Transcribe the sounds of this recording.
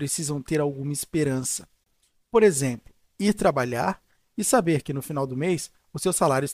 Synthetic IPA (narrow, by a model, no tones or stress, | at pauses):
ɾesizɐ̃w̃t̪eɾawɡũmɐispeɾɐ̃sɐ̥ | poɾezẽmplʊ | iɾt̪ɾabaʎaɾ | ɪsabeɾkɪnʊfinawd̪ʊmejs | ʊsewsalaɾjʊs